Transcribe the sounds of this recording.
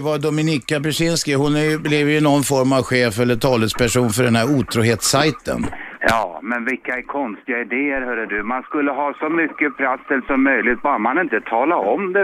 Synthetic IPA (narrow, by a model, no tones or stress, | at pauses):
vad̪ɔmɪnɪkːapɛʂɪnskɪhʊnæɾjɵblɛvjɵnɔnːfɔɾmavɧeːfɛlːəʈʰɑːləspʰæʂuːnfœɖɛnhæɾuːt̪ʰɾuːɦeːt̪sajt̪ə̰njɑːmɛnvɪlkːaɛɾkʰɔnst̪ɪɡaɪd̪eːəɾɦœːɖədɵmanskɵlːəɦɑːsɔmʏkːəpʰɾasːɛlsɔmːœjlɪt̪̚bɑːɾmanɪnt̪ət̪ʰɑːlaɔmd̪ɛ